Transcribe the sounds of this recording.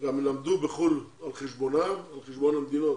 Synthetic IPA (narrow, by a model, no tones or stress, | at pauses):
ɡamlamd̪ubeχulalχeʃbonamalχeʃbonamd̪inot̪